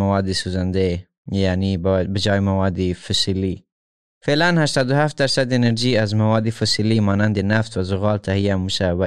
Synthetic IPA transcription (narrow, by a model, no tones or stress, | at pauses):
mawɑd̪esuzand̪e | janibbɪd͡ʒɑjmawɑd̪ifʊsili | felanhaʃt̪ɑːd̪ʊhaft̪̚d̪aɾsad̪ɪnəɾʒiazmawɑd̪ifʊsilimɑnand̪enaft̪wazʊɣɑlt̪ʰahijamuʃawa